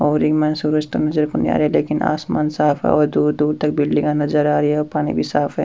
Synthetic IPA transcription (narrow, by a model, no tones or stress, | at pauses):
ɔːɾimɐnsuːɾəd͡ʒt̪onɐzəɾkʊnja̰ːɾɦɛleːkɪna̰ːsmaːnsaːfɦɛ̰ɔɾd̪uːɾd̪uːɾt̪ɐk̚bɪɽlĩkanɐzəɾaːɾiɛɔːɾpaːnḭbʱisaːfɦɛː